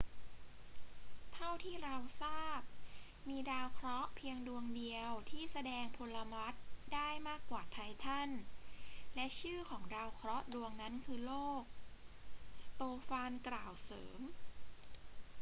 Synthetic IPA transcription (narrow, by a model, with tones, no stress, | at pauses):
t̪ʰa˥˩wt̪ʰiː˥˩ɾa˧wsaː˥˩p̚ | miː˧daː˧wkʰɾɔ˦˥pʰi˧əŋdu˧əŋdi˧əwt̪ʰiː˥˩sa˧dɛː˧ŋpʰo˧lːa˧ma˦˥t̪̚daː˥˩jmaː˥˩kːwaː˨˩t̪ʰa˧jt̪ʰa˥˩n | lɛ˦˥ʔt͡ɕʰɯː˥˩kʰɔː˩˦ŋdaː˧wkʰɾɔ˦˥du˧əŋna˦˥nkʰɯː˧loː˥˩k̚ | st̪oː˧faː˧nklaː˨˩wsɤ̰ː˩˦m